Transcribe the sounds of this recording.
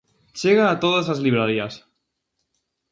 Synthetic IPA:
t͡ʃeɣaːt̪oðazazliβɾaɾias

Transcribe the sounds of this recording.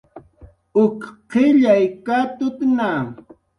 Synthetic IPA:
ʊkqɪʎajkat̪ʊt̪na

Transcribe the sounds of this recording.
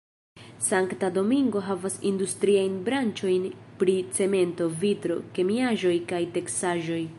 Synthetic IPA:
saŋktado̞miŋɡo̞ɦavasindustɾiajnbɾant͡ʃo̞jnpɾit͡se̞me̞nto̞vitɾo̞̰ke̞miaʒo̞jkajte̞ksaʒo̞j

